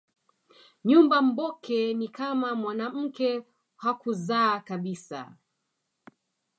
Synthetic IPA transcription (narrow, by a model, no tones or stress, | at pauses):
ɲumbam̩bɔkʰɛnikamamwanam̩kɛ | hakuzaːkaɓisa̰